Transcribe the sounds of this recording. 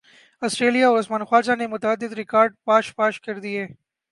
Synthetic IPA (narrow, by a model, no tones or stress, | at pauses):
ɐsʈɾeːlijaɔːɾʊsmaːnxwaːd͡ʒanemʊt̪aəd̪ːɪd̪ɾɪkaːɾɖ̚paːʃpaːʃkɐɾd̪ieː